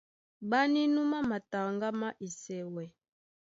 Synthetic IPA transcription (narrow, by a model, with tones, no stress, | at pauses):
ba˦ni˦nu˦ma˦ma˨ta˨ŋɡa˦ma˦ʔi˨sɛ˨wɛ˨